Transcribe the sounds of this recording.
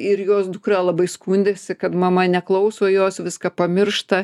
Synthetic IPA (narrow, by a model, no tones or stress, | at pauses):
ɪɾjoːsd̪ʊkrɑːlˠɐbɐɪskuːnʲd̪ʲeːsʲɪkɐt̪mɐmɐnʲɛklˠɐʊsoːjoːsʋʲɪskɐpɐmʲɪrʃt̪ɐ